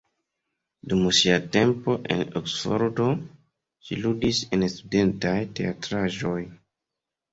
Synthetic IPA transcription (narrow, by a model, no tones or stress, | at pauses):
dumsiate̞mpo̞ʔe̞̰noksfo̰ɾdo̞ | ʃiludise̞nstude̞ntajte̞atɾaʒo̞j